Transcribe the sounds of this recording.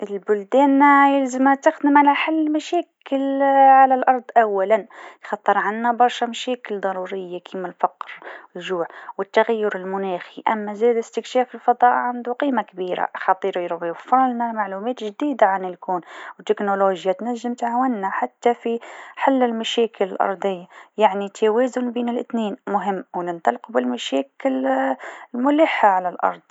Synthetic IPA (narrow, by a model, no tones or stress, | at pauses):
ʔɪlbʊld̪ɛːnjɪlzɪmt̪ɪxd̪ɪmʕalaħalːmaʃɛːkɪlʕalalʔɑɾˤd̪ˤʔawːalanjxɑt̪ˤːɨɾˤʕanːabɑɾˤʃɑmaʃɛːkɪld̪ˤɑɾˤuːɾɪjːakʰiːmɪlfɑqɾɪlʒuːʕwɪt̪ːaɣajːʊɾɪlmʊnæːxiʔamːazɛːd̪ɪst̪ɪkʃɛːfɪlfɑd̪ˤɑːʔʕand̪uqiːmakbiːɾa̰ʔxɑt̪ˤiːɾjɾʊbifːɑɾlnalmaʕluːmɛːt̪ʒd̪iːd̪aʕanɪlkuːnwt̪ːɪknoloːʒjat̪naʒːɪmt̪ʕaːwanːaħat̪ːafiħɪlːɪlmaʃeːkɪlɪlʔɑ̰ɾˤd̪ˤɪjːajaʕnit̪ʰːaweːzʊnbeːnɪlʔɪt̪neːnmʊɦɪmːwnɪnt̪ˤɑlqubɪlmaʃeːkɪl | lmʊlɪħːaʕalalʔɑ̰ɾˤd̪ˤ